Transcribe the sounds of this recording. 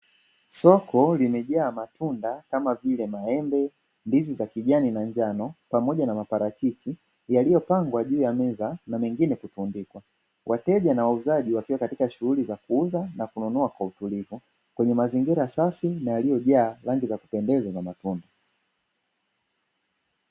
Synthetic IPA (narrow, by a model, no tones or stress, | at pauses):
sɔkʰɔlimɛʄaːmatʰundakamavilɛmaɛmbɛ | ndizizakiʄaninaɲd͡ʒanɔpamɔʄanamapaɾakit͡ʃi | jalijɔpaŋɡwaʄuːjamɛzanamɛŋɡinɛkutundikwa | wʔatɛʄanawauzaʄiwakiwakatikaʃuhulizakuuzanakununuakwautulivu | kwɛɲɛmaziŋɡiɾasafinajalijɔʄaːlaŋɡizaku̥pɛndɛzazamatunda